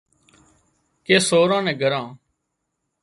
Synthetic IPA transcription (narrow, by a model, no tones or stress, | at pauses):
keːsoːɾãːnɛ̃ːɡʱəɾãː